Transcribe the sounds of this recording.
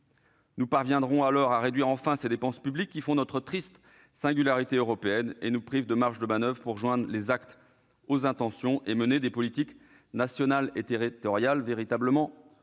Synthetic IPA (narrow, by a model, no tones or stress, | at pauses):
nupaʁvjɛ̃d̪ʁɔ̃alɔʁaʁed̪ɥiʁɑ̃fɛ̃sed̪epɑ̃spyblikʲːifɔ̃nɔt̪χət̪χist̪ | sɛ̃ɡʲylaʁit̪eøʁɔpeɛnenupχivd̪əmaʁʃd̪əmanœvʁəpuʁʒwɛ̃d̪ʁlezakt̪ | ozɛ̃t̪ɑ̃sjɔ̃ʔeməned̪epɔlit̪ik | nasjɔnalet̪eʁit̪ɔʁjalveʁit̪abləmɑ̃